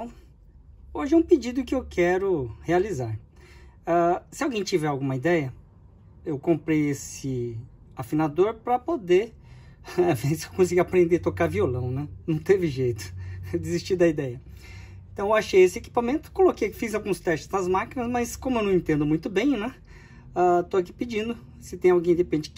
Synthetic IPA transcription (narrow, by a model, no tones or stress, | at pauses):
oʒɪɛũpɪd͡ʒid̪ʊkɪewkʰɛɾʊhealizaɾ | asɪawɡẽj̃t͡ʃivɛɾawɡũmɐid̪ɛjɐ | ewkõmpɾejesɪ | afinad̪oɾpɾɐpod̪e | vesewkõs̬iɡiapɾẽnd̪et̪okaɾviolɐ̃w̃nɛnɐ̃w̃t̪evɪʒejt̪ʊ̥d͡ʒɪzist͡ʃiɾd̪ɐid̪ɛjɐẽt̪ɐ̃w̃ewaʃejesɪeki̥pamẽnt̪ʊ̥kolokejkfizawɡũst̪ɛst͡ʃɪ̥znɐzmakinɐsmɐskõmʊewnɐ̃w̃ẽnt̪ẽnd̪ʊmũj̃t̪ʊbẽj̃nɛ | at̪oak̬ipid͡ʒĩnd̪ʊ | sɪt̪ẽj̃awɡẽj̃d̪epẽnd͡ʒɪ